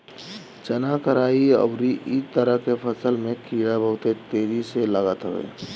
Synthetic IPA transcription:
t͡ʃənakəɾaːiə̰bɾiʔit̪əɾəɦkepʰəsəlmẽkʰiːɽabəɦʊt̪et̪eːd͡ʒiseləɡət̪ɦo̰ḛː

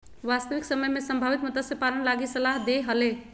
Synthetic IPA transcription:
ʋast̪əʋiksəməjmesəmbʱaβit̪mət̪əsjepalənlaɡisəlaɦd̪eɦəle

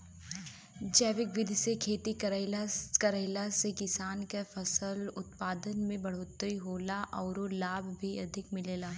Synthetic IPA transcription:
d͡ʒɛːʋɪkʋɪd̪ʱsekʰeːt̪ikɐɾkɐɾəɦlasekɪsaːnkafɐsəlʊt̪paːd̪ənmẽbɐɽ̤oːt̪ːɾiɦoːlaʔɔːɾolaːbʱbʱiɐd̪ʱɪkmɪleːlaː

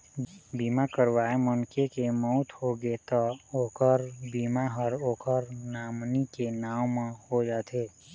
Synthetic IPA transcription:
biːmakəɾwaːemənkekemɔʊt̪hoɡet̪əoːkəɾbiːmaɦəɾoːkəɾnaːmnikenaːwmə̃hod͡ʒaːt̪ʰeː

